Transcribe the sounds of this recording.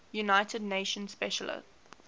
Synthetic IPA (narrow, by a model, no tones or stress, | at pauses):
junaɪtʰədⁿneɪʃə̃nspɛʃələ̰t